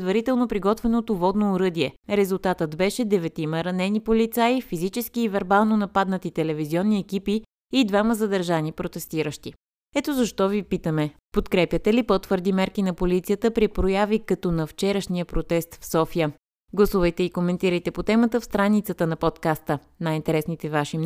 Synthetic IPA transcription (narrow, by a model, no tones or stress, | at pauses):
d̪vɐɾit̪ɛlˠnopɾiɡɔt̪vɛnot̪ovɔd̪noːɾɤd̪iɛɾɛzulˠt̪at̪ət̪bɛʃɛd̪ɛvɛt̪iməɾɐnɛnipolit̪saifizit͡ʃɛskiːvɛɾbalˠnonɐpad̪nət̪it̪ɛlɛviziɔnːiɛkipiː | d̪vaməzəd̪əɾʒanipɾot̪ɛst̪iɾəʃt̪i | ɛt̪ozɐʃt̪ɔvipit̪əmɛpot̪kɾɛpjət̪ɛlipot̪vɤɾd̪imɛɾkinɐpolit̪sijət̪əpɾipɾojavikɐt̪ɔnɐft͡ʃɛɾəʃniəpɾot̪ɛst̪fsɔfijə | ɡlˠɐsuvəjt̪ɛikomɛnt̪iɾəjt̪ɛpot̪ɛmət̪əfst̪ɾanit̪sət̪ənɐpɔt̪kast̪ə | najint̪ɛɾɛsnit̪ɛvaʃim